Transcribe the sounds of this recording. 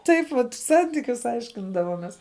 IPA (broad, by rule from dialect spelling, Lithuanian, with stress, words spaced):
ˈtɐɪp ʋɐt ˈsɐnʲtʲiːkʲʊs ˈɐɪʃʲkʲɪndɐʋoːmʲɛs